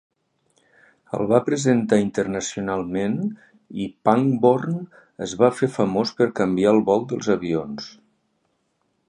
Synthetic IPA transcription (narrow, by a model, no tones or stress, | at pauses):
ə̰lˠβapɾəzənt̪aint̪əɾnəsiunalˠmen | ipaŋborn | əzβafefəmospəɾkəmbiaəlˠβɔlˠd̪əlˠzəβions